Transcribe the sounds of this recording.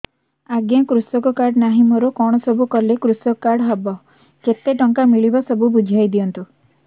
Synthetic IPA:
aɡjakɾusɔkɔkaɽnaɦimɔɾokɔɽ̃ɔsɔbʱukɔlekɾusɔkkːaɽɦabɔ | ket̪eʈɔŋkamiɭibasɔbubud͡ʒʱajd̪iɔnt̪u

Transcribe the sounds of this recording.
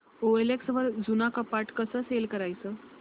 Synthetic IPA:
oeleksʋəɾd͡zunakəpaʈkəsəːselkəɾajt͡səː

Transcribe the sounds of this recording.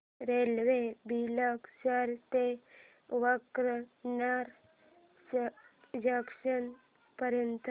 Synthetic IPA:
ɾelʋebʱilaksaɾt̪e | ʋakɾənaɾ | d͡ʑakʂən | pəɾjənt̪

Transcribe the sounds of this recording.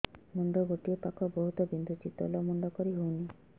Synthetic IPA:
mɔnd̪ɔɡoʈiɔpakɔbɔɦut̪ɔbind̪ʱut͡ʃit̪ɔ̰lɔmɔɳɖɔkɔɾiɦowni

